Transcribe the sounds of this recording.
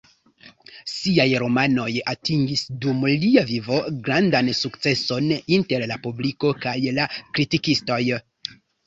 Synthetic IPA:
siajɾo̞mano̞jatiŋɡisdumliavivo̞ɡɾandansukt͡se̞so̞ninte̞ɾlapubliko̞kajlakɾitikisto̞j

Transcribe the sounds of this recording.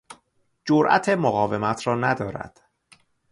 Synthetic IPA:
d͡ʒoɾʔæ̰t̪ʰe̞moɣɒːve̞mæt̪ʰɾɒːnæd̪ɒːɾæ̰d̪̥

